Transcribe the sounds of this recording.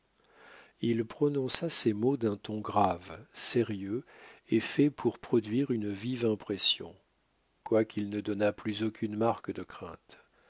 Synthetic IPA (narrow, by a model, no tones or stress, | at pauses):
ilpχɔnɔ̃sasemod̪ɛ̃t̪ɔ̃ɡʁavseʁjøefɛpʰuʁpχɔd̪ɥiʁynvivɛ̃pχɛsjɔ̰̃ | kwakʲilnəd̪ɔnaplyzokʲynmaʁkəd̪əkχɛ̰̃t̪